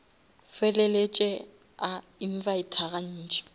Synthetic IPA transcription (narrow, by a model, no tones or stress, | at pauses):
fɛlɛlet͡ʃʼɛ | a | in̩vaitʰaɣan̩ːt͡ʃʼɛ̥